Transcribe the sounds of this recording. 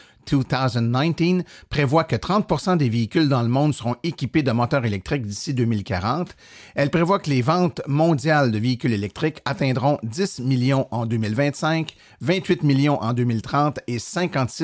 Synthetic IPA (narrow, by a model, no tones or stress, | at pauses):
t̪ʰut̪awzə̃nːãjnt̪inpʁevwakət̪ʁɑ̃t̪̚pʊʁsɑ̃d̪eveikʲyld̪ɑ̃ləmɔ̃d̪səʁɔ̃ekʲiped̪əmɑ̃t̪œːʁelɛk̚t̪ʁɪk̚d̪isid̪øːmɪlkaʁɑ̃ːt̪ | ɛlpʁevwakəlevɑ̃t̪mɔ̃dd͡zjald̪əveikʲylelɛk̚t̪ʁɪkat̪ɛ̃d̪ʁɔ̃d̪ɪsmiljɔ̃ʔɑ̃d̪øːmilvɛ̃t̪sɛ̃k | vɛ̃t̪wɥɪt̪miljɔ̃ʔɑ̰̃d̪ømilt̪ʁɑ̃ːt̪esɛ̃kɑ̃t̪sɪ